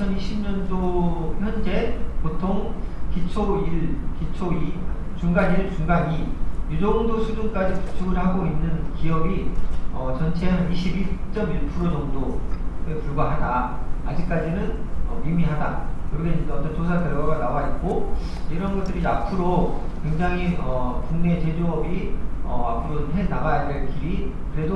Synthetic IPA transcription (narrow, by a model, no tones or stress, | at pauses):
t͡ɕʰʌniɕʰimɲʌndohjʌnd͡ʑe̞potʰoŋkit͡ɕʰoiɭkit͡ɕʰoi | t͡ɕuŋɡaɲiɭt͡ɕuŋɡaɲijud͡ʑʌŋdosʰud͡ʑuŋk͈ad͡ʑipu̥t͡ɕʰuɡɯɭhaɡoinːɯnkiʌbiʌt͡ɕʌnt͡ɕʰe̞ɦaniɕʰibit͡ɕ͈ʌmiɭpʰuɾod͡ʑʌŋdoepuɭɡwaɦadaːd͡ʑik̚k͈ad͡ʑinɯnʌimiɦadakɯɾʌkʰeidʌtʰʌntos̬ʰatɯɭɡwaɡanawait̚k͈o | iɾʌnɡʌt͈ɯɾiapʰɯɾokwe̞ŋd͡ʑaŋɦiʌkuŋne̞t͡ɕe̞d͡ʑoʌbiʌapʰɯɾonɦenaɣajadeɭkiɾi | kɯɾe̞do